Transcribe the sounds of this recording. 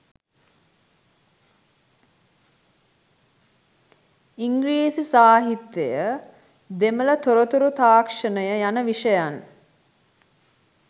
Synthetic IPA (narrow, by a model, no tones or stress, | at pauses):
iŋɡɾiːsisaːɦit̪jejə | d̪emələt̪oɾət̪uɾut̪aːkʂənəjəjanəʋiʂəjan